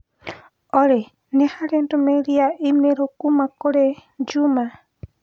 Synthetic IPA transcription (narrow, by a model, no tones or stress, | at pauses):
oɾe | nehaɾend̪omeɾiaʔimeɾokumakoɾed͡ʒuma